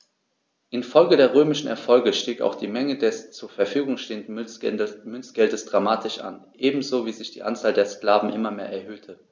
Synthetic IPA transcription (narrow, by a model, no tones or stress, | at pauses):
ʔɪnfɔlɡədeːɐʁ̞øːmɪʃn̩ɛ̰ɐfɔlɡəʃtiːka̰ʊxd̥iːmɛŋədɛst͡suːɐfɛɐfyːɡʊŋʃteːəndn̩ | mʏnt͡sɡ̥ɛldəsd̥ʁamaːtʰɪʃʔa̰nʔeːbm̩zoːviːzɪçd̥iːʔant͡saːldeːɐskl̥aːvn̩ʔɪmɐmeːɐʔɛɐɦøːtʰə